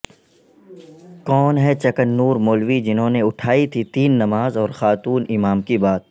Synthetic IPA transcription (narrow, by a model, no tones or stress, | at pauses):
kɔːnɦɛt͡ʃɐkənːuːɾmoːlʋid͡ʒɪnɦõneʊʈʰaːit̪ʰit̪iːnːɐmaːzɔːɾxaːt̪uːnɪmaːmkibaːt̪̚